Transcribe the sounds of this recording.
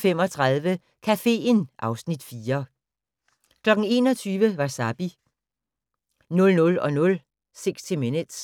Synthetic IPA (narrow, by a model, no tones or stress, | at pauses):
fem̰ɒ̽t͡sʰʁɑðˠʋə | kʰæfe̝̰ːnʔɑ̈ʊsnid̥fiːɐ | kʰlɒ̽ɡ̥n̩e̝ːnɒ̽t͡sʰyːʋəʋɑ̈sæb̥i | nɔ̽lnɔ̽lɒ̽nɔ̽l | seɡ̥st͡sʰe̝menəd̥s